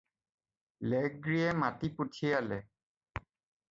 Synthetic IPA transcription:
lɛɡɹiɛmatiputʰialɛ

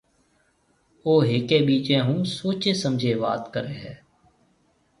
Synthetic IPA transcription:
oːɦeːkeːbiːt͡ʃẽːɦuːsoːt͡ʃeːsəmd͡ʒʱeːʋa̰ːt̪kəɾeːɦɛː

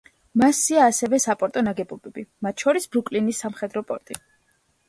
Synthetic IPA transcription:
masiaːsɛvɛsapʼɔɾt̪ʼɔnaɡɛbɔbɛbimat̪̚ʰʃɔɾisbɾukʼlinisːamχɛd̪ɾɔpʼɔɾt̪ʼi

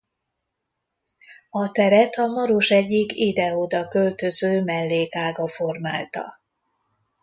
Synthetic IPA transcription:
ɒt̪ɛɾɛt̪ɒmɒɾoʃɛɟːikid̪ɛod̪ɒkø̞lt̪øzøːmɛlːeːkaːɡɒfo̞rmaːlt̪ɒ̰

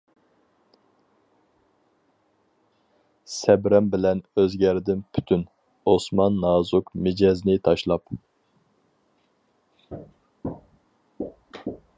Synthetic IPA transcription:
sɛbɾɛmbɪlɛnøzɡʲɛɾɪd̪ɪnpʰy̥t̪ʰyn | osmɑnːɑːzukmɪd͡ʒɛznɪt̪ʰɑʃlˠɑp

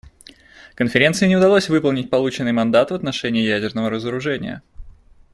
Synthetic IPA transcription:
kənfʲɪɾʲe̞nt̪sɨɪnʲɪʊd̪ɐlˠosʲvɨpəlˠnʲɪt̚ʲpɐlˠut͡ɕɪnːɨjmɐnd̪at̪vət̪nɐʂɛnʲɪːjædʲɪrnəvəɾəzəɾʊʐɛnʲɪ̰jə̰

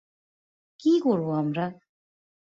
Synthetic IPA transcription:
kikɔɾboamɾa

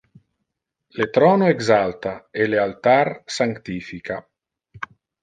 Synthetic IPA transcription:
let̪ɾɔːnoeɡzalt̪aelealt̪arsaŋkt̪ifika

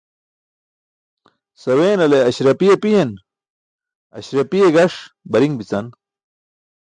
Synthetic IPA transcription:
sɐweːnɐleɐɕɾɐpijepiɦen | ɐ̰ɕɾɐpijeɡɐʂ | bɐɾiŋbit͡sɐn

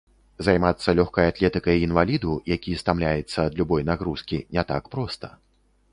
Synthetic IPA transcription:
zajmat̪sːɐlʲɔxkɐjat̪lʲɛt̪ɨkɐjinvalʲid̪ujakʲist̪amlʲajɛt̪sːɐːd̪lʲubɔjnaɣɾuskʲinʲɛt̪a̰kpɾɔst̪ɐ̥

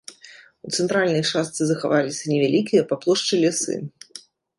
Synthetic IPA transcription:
ut̪sɛnt̪ɾalʲnɐjt͡ʂast̪sɨzɐxavalʲisʲɐnʲɛvʲalʲikʲijɐpaplˠɔʂt͡ʂɨlʲɛsɨ̰

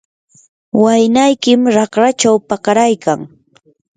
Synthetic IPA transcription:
wajnajkɪmɾɑkɾat͡ʃawpakaɾajkaŋ

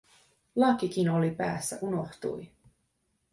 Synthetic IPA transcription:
lɑkik̟ino̞lipæ̰ːsːæ̰ʔuno̞xt̪ṵj

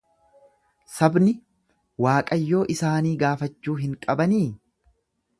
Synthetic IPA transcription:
sɐbnɪ | waːkʼɐjːo̞ːʔɪsaːniːɡaːfɐt͡ʃːuːɦɪŋkʼɐbɐniː

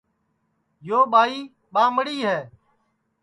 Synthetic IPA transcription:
joːɓaːiː | ɓãːməɽiːɦɛː

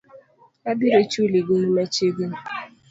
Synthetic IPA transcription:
adiɾet͡ʃuliɡoimet͡ʃeɡe

